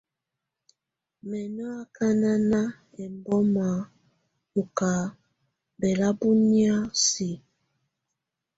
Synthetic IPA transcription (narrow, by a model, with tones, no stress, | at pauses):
mɛ˨nɔ˦a˦ka˦na˦na˦ | ɛ˨mbɔ˦ma˨ | u˨ka˨ | bɛ˨la˦bu˦ni˦a˦si˨